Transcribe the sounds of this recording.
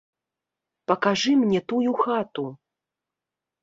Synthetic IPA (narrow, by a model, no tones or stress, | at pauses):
pɐkaʐɨmnʲɛt̪ujuxat̪u